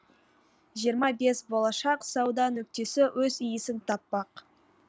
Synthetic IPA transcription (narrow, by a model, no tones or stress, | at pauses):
ʒijəɾmɑbe̞sbo̞lˠɑʃɑqsɑwd̪ɑnɵk̚t̪e̞sɪwʔɵzijɪsɪnt̪ʰɑpːɑq